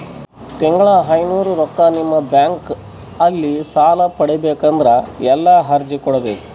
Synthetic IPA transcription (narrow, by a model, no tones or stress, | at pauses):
t̪ɛŋɡɐɭɐɦɐjnuːɾuɾɔkːɐnimːɐbjaːŋk | ɐlːisaːlɐpɐɽɛbeːkɐnd̪ɐɾɐɛlːɐɦɐɾd͡ʒikɔɽɐd̪e